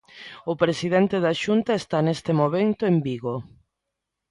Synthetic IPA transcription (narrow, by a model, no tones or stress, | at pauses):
ʊpɾesiðent̪eðaʃunt̪aest̪anest̪emoβent̪ʊembiɣo